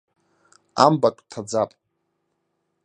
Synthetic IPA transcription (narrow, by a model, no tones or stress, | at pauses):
ambakʷʼtʰad͡zapʼ